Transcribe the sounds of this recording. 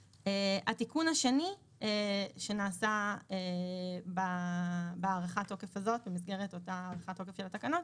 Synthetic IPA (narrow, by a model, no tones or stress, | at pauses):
eʔatikunhaʃe̞ni | eʃe̞naːsaeba | beaʁaχato̞ke̞fazo̞tbemis̬ɡe̞ʁeto̞taaʁaχato̞kefʃelatakanot̚